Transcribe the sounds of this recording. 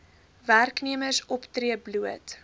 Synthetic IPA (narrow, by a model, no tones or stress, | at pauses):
værkniəmərsɔptriəbluət